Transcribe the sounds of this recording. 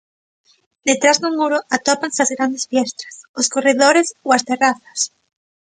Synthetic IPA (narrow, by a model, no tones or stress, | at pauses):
d̪et̪ɾazðʊmuɾʊʔat̪ɔpaŋsazɣɾand̪esfjɛst̪ɾḁsʊskoreðoɾesoast̪eraθḁs